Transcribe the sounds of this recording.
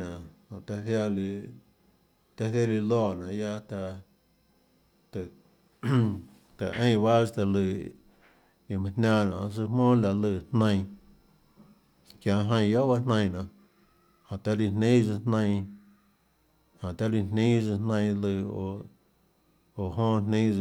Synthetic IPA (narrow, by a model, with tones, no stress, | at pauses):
nã˨hã˨t̪a˧ɦja˧l | t̪a˦ɦe˦li˧lɔː˦˧˨nã˨ja˦t̪a˧ | t̪ɨ˨ | t̪a˨ʔə̃˦j̃ba˦˧t̪a˧lɨ˧˨ | i˨mã˧hnã˧˨nã̰˨˧sɨ˧mõː˦la˧ʔlɨ˧˨hnə̃˧j̃ | kjã˧ɦə̃˧j̃jo˦ba˦nnə̃˧j̃nã˨ | hã˨t̪a˧li˧n̥nĩː˦zɨ˧nnə̃˧ | hã˨t̪a˦li˧nnĩː˦zɨ˧nnə̃˧lɨ˧o̰˧˨ | o˨ɦõː˦nnĩ˦˧